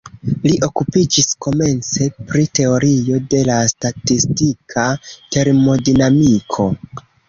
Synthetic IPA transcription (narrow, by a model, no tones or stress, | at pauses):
liʔo̞kupid͡ʒisko̞me̞nt͡se̞pɾite̞o̞ɾijo̞de̞lastatistikʰate̞ɾmo̞dinamikʰo̞